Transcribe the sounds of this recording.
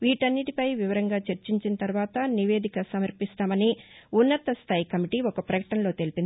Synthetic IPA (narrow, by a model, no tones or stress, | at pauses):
ʋiːʈɐnːiʈipɐjʋiʋɐɾɐŋɡaːt͡ʃɐɾt͡ʃiɲt͡ʃinɐt̪ɐɾʋaːt̪ɐniʋe̞ːd̪ʱikɐsɐmɐɾpist̪aːmɐniunːɐt̪ɐst̪ʰaːjikɐmiʈiːɔkɐpɾɐkɐ̥ʈɐnlo̞ːt̪e̞lipind̪i